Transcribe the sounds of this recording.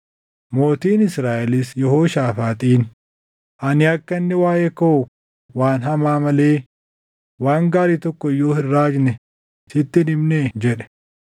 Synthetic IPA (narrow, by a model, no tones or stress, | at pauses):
mo̞ːt̪iːnɪsɾaːʔɛlɪsjɛɦoːʃaːfaːt̪ʼiːn | ʔɐnɪɐkːɐnːɛwaːjɛkɐʊ | waːnɦɐmaːmɐleː | waːŋɡaːɾiːt̪ɔkːɔɪjːoːhɪrːaːd͡ʒnɛ | t̪ɪt̪ːɪnɪmned͡ʒɛᶑɛ̥